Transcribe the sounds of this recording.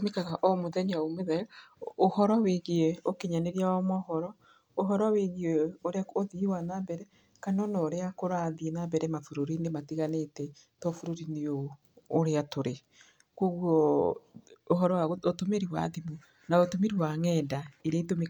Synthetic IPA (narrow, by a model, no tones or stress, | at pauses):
mekaɣaʔɔmoðɛɲaomeðɛohɔɾɔweɣiɛokeɲaneɾiawamɔhɔɾɔ | oɦɔɾɔweɣieoɾeaoðiwanabɛɾɛ | kanɔnɔɾeakoɾaːðienabɛɾɛmafuɾoɾinematiɣanetɛ | tɔfuɾoɾineoː | ɾeatoɾe | koɣwɔ | oɦɔɾɔaootomeɾiwa̰ðimu | naotomeɾiwaŋɛdaiɾeitomik